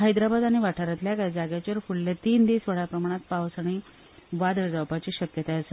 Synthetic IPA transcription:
ɦajd̪ɾabad̪aɽ̃iʋaʈʰaɾat̪ljakaid͡zaɡjat͡ɕəɾfuɭlet̪iːnd̪isʋəɽ̤apɾəmaɽ̃at̪̚pawsaɽ̃i | ʋad̪əɾd͡zawpat͡ɕiːɕəkjət̪aəsə

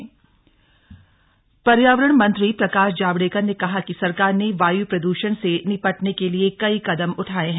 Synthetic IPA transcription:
pɐɾjaːʋəɾəɳ̃mɐ̃nt̪ɾipɾɐkaːʃd͡ʒaːbɽeːkəɾnekɐɦakisɐɾkaːɾneʋaːjupɾɐd̪uːʃəɽ̃senɪpəʈnekeliekɐikɐd̪əmʊʈʰaːeɦɛ̃ː

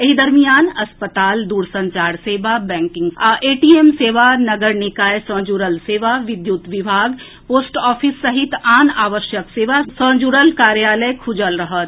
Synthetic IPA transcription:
eɦid̪ɐɾmijaːnɐspət̪aːld̪uːɾsɐ̃ɲt͡ʃaːɾseːʋabɛ̃ːŋkɪ̃ŋɡʔeːʈiemseːʋanɐɡəɾnɪkaːjesə̃d͡ʒuːɾəlseːʋaʋɪd̪jʊt̪ʋɪbʱaːɡ | poːsʈɔːfʰɪsːɐɦɪt̪aːnaːʋəʃjəkseːʋasə̃d͡ʒuɾəlkaːɾjaːləjkʰʊd͡ʒəlɾɐɦət̪

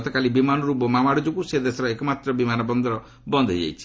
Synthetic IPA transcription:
t̪ɔkalibimanɔɾupɔmamaɽɔd͡ʒukused̪esɔɾaekɔmat̪ɾɔbimanɔbɔnd̪ʱɔɾɔ | bɔnd̪ʱɔd͡ʒa̰jt͡ʃʰi̥

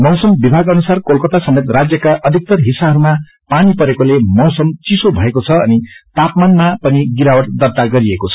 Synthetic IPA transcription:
mʌwsʌmbibʱaɡʌnusarkolkʌt̪asʌmet̪rad͡zjʌkaʔʌd̪ʱik̚t̪ʌrɦisaɦʌɾuma | panipʌɾekolemʌwsʌmt͡sisobʱʌekot͡sʰʌʌnit̪apmanmapʌniɡiɾawʌʈd̪ʌrt̪aɡʌɾiekot͡sʰʌ̥

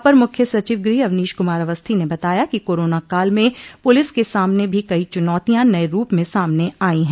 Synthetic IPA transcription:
pɐɾmʊkʰjəsɐt͡ʃiːʋɡɾiːɐʋniːʃkʊmaːɾɐʋəst̪ʰinebɐt̪aːjakikoːɾoːnakaːlmẽpʊlɪskesaːmnebʱikɐit͡ʃʊnɔːt̪ijãnɐeɾuːpmẽsaːmneaːĩɦɛ̃

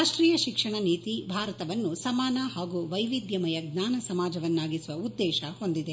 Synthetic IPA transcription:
aːʂʈɾiːjɐʃikʂɐɳɐniːt̪ibʱaːɾɐt̪ɐʋɐnːusɐmaːnɐhaːɡuʋɐjʋid̪jɐmɐjɐɡnaːnɐsɐmaːd͡ʒɐʋɐnːaːɡisuʋɐud̪ːɛːʃɐho̞nd̪id̪e

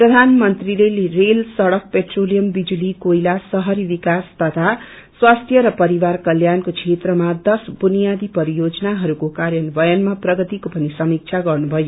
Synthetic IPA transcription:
prʌd̪ʱanmʌnt̪rilerelsʌɽʌk̚peʈrolijʌmbid͡zulikoilasʌɦʌɾibikast̪ʌt̪ʰa | swast̪ʰjʌɾʌpʌɾiwarkʌljankokʰet̪rʌmad̪ʌsbunijad̪ipʌɾijod͡zʌnaɦʌɾukokaɾjʌnbʌjʌnmaprʌɡʌt̪ikopʌnisʌmik̚t͡sʰaɡʌrnubʱʌjo

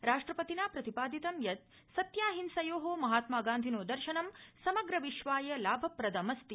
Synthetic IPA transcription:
ɾaːʂʈɾɐpɐt̪inaːpɾɐt̪ipaːd̪it̪ɐmjɐt̪ | sɐt̪jaːɦinsɐjoːɦoːmɐɦaːt̪maːɡaːnd̪ʱinoːd̪ɐɾʃɐnɐmsɐmɐɡɾɐʋiʃʋaːjɐlaːbʱɐpɾɐd̪ɐmɐst̪i

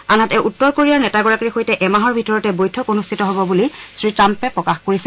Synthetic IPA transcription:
anatɛʔutːɔɹkoɹijaɹnɛtaɡɔɹakɹixojtɛʔɛmaɦɔɹbʱitɔɹɔtɛbojtʰɔkonustʰitɔɦɔbɔbulisɹitɹampɛpɹɔkaxkoɹisɛ

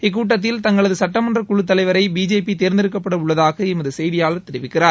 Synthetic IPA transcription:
ɪk̬ːuːʈ̬ːɐt̪̬ːɪlt̪ɐŋɡɐɭɐðɯsɐʈːɐmɐndrɐkʊɻɯt̪ːɐlɐɪʋɐɾɐɪbiːd͡ʒeːpit̪eːɾnd̪ɪɾɯk̬ːɐpːɐɽɐʊɭːɐðaːɣɐɪmɐðɯsɛjðɪjaːlɐt̪ɛɾɪʋɪkːɪraːɾ

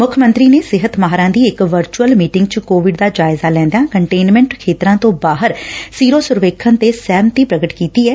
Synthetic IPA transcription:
mʊkʰmə̃nt̪ɾiːneːsɪɦət̪maɦɾãːd̪iːɪkʋəɾt͡ʃuəlmiːʈɪŋɡt͡ʃəkoːʋɪɖd̪aːd͡ʒaːɪzaːlɛ̃ːnd̪jãːkəɳʈeːnmɛ̃ːɳʈkʰeːt̪ɾãːt̪õːbaːɦəɾsiːɾoːsʊɾʋeːkʰːənt̪eːsɛːmt̪iːpɾəɡəʈkiːt̪iːɛː

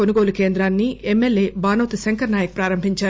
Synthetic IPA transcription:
onuɡo̞ːluke̞ːnd̪ɾaːnːiemːelːeːbaːnɐwt̪isɐŋkɐɾnaːjɐk̚pɾaːɾɐmbʱiɲt͡ʃaː

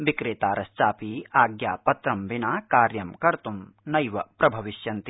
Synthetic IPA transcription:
ʋikɾeːt̪aːɾɐst͡ʃaːpiːaːɡjaːpɐt̪ɾɐmʋinaːkaːɾjɐmkɐɾt̪umnɐjʋɐpɾɐbʱɐʋiʃjɐnt̪i

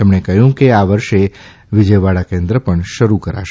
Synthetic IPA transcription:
emɳekəɦjũkeaʋəɾʃe | ʋɪd͡ʒəjʋaɽakẽnd̪ɾəpəɳʃəɾukəɾa̰ʃe

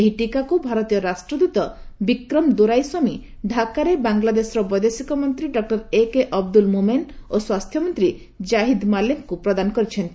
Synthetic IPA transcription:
eɦiʈikakubʱaɾɔt̪ijɔɾasʈɾɔd̪ut̪ɔbikɾɔmd̪uɾajsɔmi | ɖʱakaɾebaŋlad̪esɔɾɔbɔjd̪esikɔmɔnt̪ɾiɖɔk̚ʈɔɾekeʔɔb̚d̪ulmumenoswast̪ʰjɔmɔnt̪ɾi | d͡ʒaɦid̪malemkupɾɔd̪anɔkɔɾit͡ʃʰent̪i

